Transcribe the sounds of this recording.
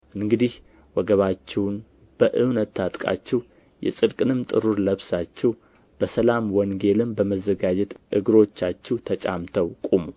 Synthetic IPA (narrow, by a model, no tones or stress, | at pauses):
ʔɨŋɡɨd̪ih | wɔɡəβat͡ʃːɛwn | b̥əʔɨwnət̪ʰːat̪ʼkʼa̰t͡ʃːɛw | jɛ̰sʼɨd̪kʼɨnɨmt̪ʼɨɾuɾləβsat͡ʃːɛw | b̥əsəlamwɔŋɡe̞lɨmbəməzːəɡad͡ʒɛt̪ʔɨ̰ɡɨɾo̞t͡ʃːat͡ʃːɛwt̪ʰət͡ʃʼa̰mt̪ʰəwkʼumu